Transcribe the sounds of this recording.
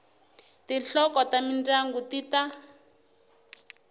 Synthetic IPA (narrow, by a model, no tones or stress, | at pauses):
tiɬɔkɔtamind͡zaŋɡutita